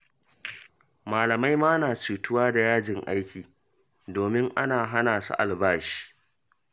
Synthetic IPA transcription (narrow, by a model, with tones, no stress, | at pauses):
maː˨lɐ˨ma˦jmaː˦naː˨t͡ʃuː˨tʊ˦waː˦da˨jaː˦d͡ʒɪ˨ŋʔa˦jkʲiː˨ | doː˨mɪ˦ŋʔa˦naː˨ɦa˦naː˨sṵ˦ʔa˨lbaː˦ʃi̥ː˦ʔ